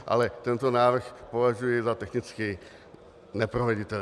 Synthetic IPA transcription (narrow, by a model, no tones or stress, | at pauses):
ʔa̰lɛt̪ɛnt̪onaːvr̩xpo̞vaʒujɛzat̪ɛxnɪt͡skiː | nɛpɾovɛɟɪt̪ɛ